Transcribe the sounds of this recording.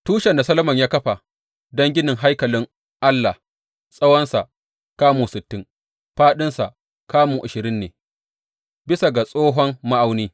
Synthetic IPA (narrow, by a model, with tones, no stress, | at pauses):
tuː˦ʃɛ˨nda˨sɐ˦lɐ˦mɐ˨ɲjaː˦kɐ˦ɸa˨ | dɐ˦ŋɡʲɪ˦nɪ˨ŋɦa˦jkɐ˨lɪ˦ŋ | ʔa˦lːa˨ | sʼɐ˦wɔ˦nsa˨ | kaː˦muː˨sɪ˨tːɪ˦ŋ | ɸaː˦ɗɪ˦nsa˨ | kaː˦muː˨ʔa˨ʃɪ˨ɾɪ˦nːeː˨ | bɪ˦sa˨ɡa˨sʼoː˦ɦɔ˦mma˦ʔa˨wniː˦